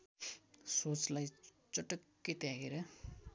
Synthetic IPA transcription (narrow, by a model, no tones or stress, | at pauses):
sot͡slaj | t͡sʌʈʌkːet̪aɡeɾʌ